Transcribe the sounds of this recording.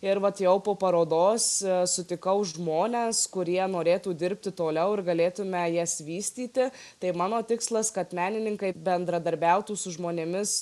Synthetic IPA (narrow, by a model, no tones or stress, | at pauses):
ɪɾʋɐt̪jɛʊpoːpɐɾoːd̪oːssʊt̪ʲɪkɐʊʒmoːnʲeskʊɾʲiɛnoːɾʲeːt̪uːd̪ʲɪɾʲpʲt̪ʲɪt̪oːlʲɛʊɪɾɡɐlʲeːt̪ʊmʲɛjiɛsʋʲiːsʲt̪ʲiːt̪ʲɪ | t̪ɐɪmɑːnoːt̪ʲɪkslˠɐskɐt̪mʲæːnʲɪnʲɪŋkɐɪbʲɛnd̪ɾɐd̪ɐɾʲbʲæˑʊt̪uːsʊʒmoːnʲemʲɪs